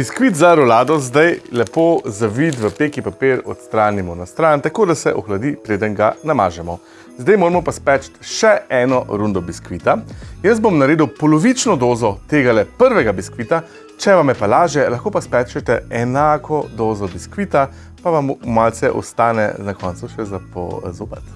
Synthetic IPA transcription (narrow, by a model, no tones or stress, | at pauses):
biskʋit̪zaɾɔlaːd̪ɔzd̪ajlɛpozaʋit̪ʋəpeːkipapeɾɔ̰t̪st̪ɾaːnimɔnast̪ɾant̪akoːd̪asɛ̰ʔɔxlad̪ipɾeːd̪ənɡanamaːʒɛmɔ | zd̪ajmoːɾɛmɔpaspɛt͡ʃt̪ʃɛɛnɔɾund̪ɔbiskʋit̪ajəs̬̚bomnaɾeːd̪uwpɔlɔʋit͡ʃnɔd̪oːzɔt̪eːɡalɛpəɾʋɛɡabiskʋit̪a | t͡ʃɛʋamɛpalaːʒɛlaxkoːpaspɛt͡ʃɛt̪ɛɛnaːkɔd̪oːzɔbiskʋit̪a | paʋammalt̪sɛʔɔ̰st̪aːnɛ̰nakɔnt̪suʃɛzapɔ̰zoːpɛt̪